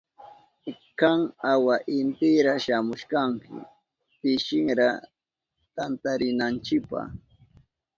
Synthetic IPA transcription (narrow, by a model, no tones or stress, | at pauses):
kaŋawaʔɪnt̪ɪɾaʃamʊʃkaŋkɪ̰ | pɪʃɪŋɾa | t̪ant̪aɾɪnant͡ʃɪkpa̰